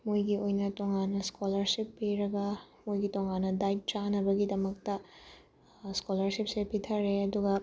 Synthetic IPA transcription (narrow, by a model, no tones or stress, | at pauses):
mojɡiojnɐtoŋanːɐskʰolɐɾsipːiɾɐɡɐmojɡitoŋanːɐdajt̚t͡ʃanɐbɐɡidɐmɐk̚tɐ | skolɐɾsip̚sepitʰɐɾeɐduɡɐ